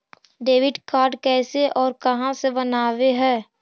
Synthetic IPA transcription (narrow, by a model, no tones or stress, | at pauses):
ɖeːʋɪɖkaːɾɖkɛːseʔɔːɾkɐɦãsebɐnaːweɦɛː